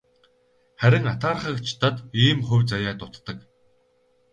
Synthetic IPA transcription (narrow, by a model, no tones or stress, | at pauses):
χæɾʲɪ̆ŋat̪ʰaːrχə̆kt͡ɕʰt̪ʰat̪iːmχɵwʲt͡sajaːt̪ʊt̪ːə̆k